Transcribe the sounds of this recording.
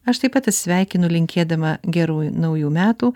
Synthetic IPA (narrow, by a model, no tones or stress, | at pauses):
ɐʃt̪ɐɪpɐt̪ɐt̪ʲsʲʋʲæˑɪkʲɪnʊlʲɪŋʲkʲeːd̪ɐmɐɡʲɛɾuːnɐʊjuːmʲæːt̪uː